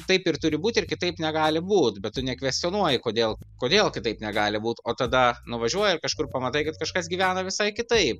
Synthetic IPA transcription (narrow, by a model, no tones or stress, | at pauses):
t̪ɐɪpɪrt̪ʊɾʲɪbuːt̪ʲɪrkʲɪt̪ɐɪpnʲɛɡɑːlʲɪbuːt̪bʲɛt̪tːʊnʲɛkʋʲɛsʲt̪ʲioːnuɔjɪkoːd̪ʲeːlˠkoːd̪ʲeːlˠkʲɪt̪ɐɪpnʲɛɡɑːlʲɪbuːt̪oːt̪ɐd̪ɐnʊʋɐʒʲuɔjɛɪrkɐʃkʊrpɐmɐt̪ɐɪkɐt̪kɐʃkɐsɡʲiːʋʲæːnoːʋʲɪsɐɪkʲɪt̪ɐɪp̚